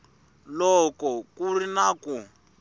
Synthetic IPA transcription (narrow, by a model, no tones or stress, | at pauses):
lɔkɔkurinaːku